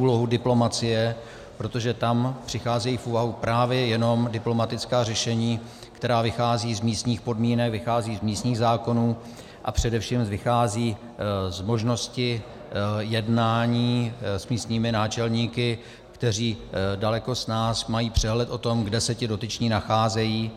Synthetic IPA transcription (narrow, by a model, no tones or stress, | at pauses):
uːlo̞ɦudɪplo̞mat͡sɪjɛ | pɾo̞t̪o̞ʒɛt̪ampr̥ɪxaːzɛjiːfʔuːvaɦupɾaːvjɛjɛno̞mdɪplo̞mat̪ɪt͡skaːrɛʃɛɲiː | kt̪ɛɾaːvɪxaːziːzmiːst̪ɲiːxpo̞dmiːnɛkvɪxaːziːzmiːst̪ɲiːɣzaːko̞nuː | ʔa̰pr̥ɛdɛfʃiːmvɪxaːziː | zmo̞ʒno̞scɪ | jɛdnaːɲiːsmiːst̪ɲiːmɪnaːt͡ʃɛlɲiːkɪ | kt̪ɛriːdalɛko̞snaːsmajiːpr̝̥ɛɦlɛt̪ʔo̞t̪o̞mɡdɛsɛcɪdo̞t̪ɪt͡ʃɲiːnaxaːzɛjiː